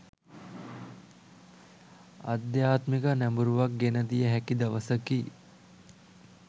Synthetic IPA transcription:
a̰d̪jaːt̪mikənæmbuɾuʋak̚ɡenəd̪ijəɦækid̪ɐʋəsəki

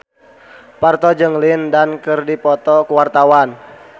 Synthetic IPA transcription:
part̪ɔd͡ʒəŋlindankɨrdipɔt̪ɔkuwart̪awan

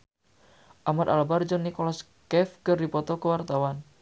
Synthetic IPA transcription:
ʔamat̪albard͡ʒɔnikɔlɔs | kɛfkərdipɔt̪ɔkəwart̪awan

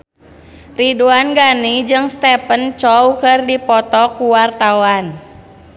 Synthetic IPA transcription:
riduanɡanid͡ʒɨŋst̪ɛpənt͡ʃɔukɨrdipɔt̪ɔkuwart̪awan

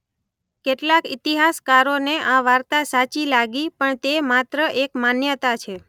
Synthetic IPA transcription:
keʈlakit̪iɦaskaɾoneʔãʋaɾt̪asat͡ʃilaɡipəɳt̪emat̪ɾəʔekmanjət̪at͡ʃʰe

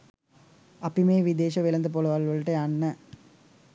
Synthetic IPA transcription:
apimeːʋid̪eːʃəʋelɐnd̪əp̬oləʋalʋəlʈəjanːə

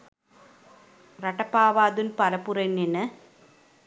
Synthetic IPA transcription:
rɐʈːɐpːaːʋaːd̪ɯnpɐlɐpːurɐnːinɐ

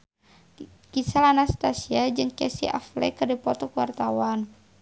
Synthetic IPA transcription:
kisalanast̪asiad͡ʒɨŋkɛsḭʔa̰flɛ̰kɨrdipɔt̪ɔkuwart̪awan

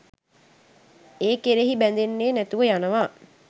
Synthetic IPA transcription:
eːkeɾeɦibænd̪enːeːnæt̪uʋəjanəʋaː

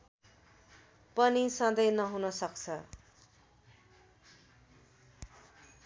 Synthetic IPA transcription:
pʌnisʌd̪ʌjnʌɦunʌsʌkt͡sʰʌ

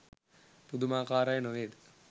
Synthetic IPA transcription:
pud̪umaːkaːɾajnoʋeːd̪ɨ

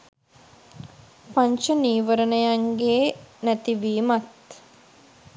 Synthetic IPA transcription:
paɲt͡ʃəniːʋəɾənəjaŋɡeːnæt̪iʋiːmat̪

